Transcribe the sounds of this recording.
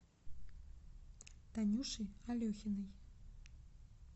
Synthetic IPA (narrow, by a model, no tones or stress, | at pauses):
t̪anʲuʂɨalʲɔxʲinɨj